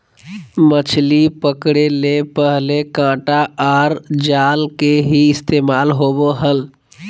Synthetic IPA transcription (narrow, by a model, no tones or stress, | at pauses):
mət͡ʃʰlipəkɽelepəɦlekãːʈaaːɾd͡ʒaːlkeɦiɪst̪eːmaːlɦoːboɦəl